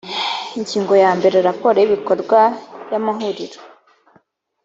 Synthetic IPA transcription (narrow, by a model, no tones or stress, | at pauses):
iɲɟiːŋɡo̞jaːmbe̞ɾeaɾapo̞ɾeiβiko̞ɾɡwajamaɦuɾiɾo